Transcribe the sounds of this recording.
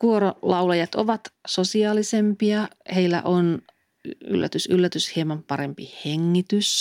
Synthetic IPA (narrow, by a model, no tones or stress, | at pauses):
kuoɾolɑulɑjɑt̪oʋɑt̪sosiɑːlisempiɑheilːæ̰ʔon | y̰lːæ̰t̪ysylːæt̪yshiemɑmpɑɾempiheŋːit̪ys